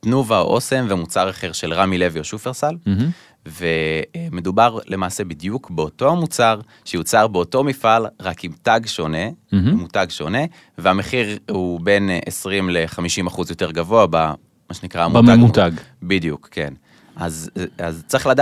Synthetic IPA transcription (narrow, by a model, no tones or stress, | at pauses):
t̪nuvaʔo̞se̞mveamut͡saʁaχe̞ʁʃe̞lʁamile̞vjoʃufeʁsal | ve̞me̞d̪ubaʁle̞maːse̞bid̪jukbeoto̞amut͡saʁ | ʃejut͡saʁbeoto̞mifalʁakimtaɡʃo̞nemutaɡʃo̞ne̞ | veame̞χiʁhube̞nesʁimleχamiʃimaχuzjo̞te̞ʁɡavo̞aba | maʃenikʁaamuaɡut̪aɡ | bid̪jukke̞̰n | azazt͡saʁiχlada